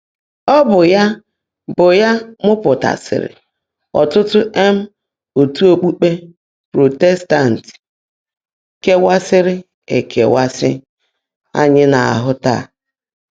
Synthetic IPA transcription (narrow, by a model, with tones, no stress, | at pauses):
ɔ˦bʊ˨ja˦ | bʊ˨ja˦mʊ˦pʊ˨ta̰˨sɪ̰˨ɾɪ̰˨ | ɔ̰˨tʊ˦tʊ˦ʔe˦m̩˦ | o˨tu˦o˨k͡pu˦k͡pe˦ | pɾo˨te˦sta˦˨n̩˨t | ke˦wa˦sɪ˦ɾɪ˦ | e˨kʰe˨wa˦sɪ˦ | a̰˦ɲɪ˦na˨a̰˨ɦʊ˦ta̰˦˨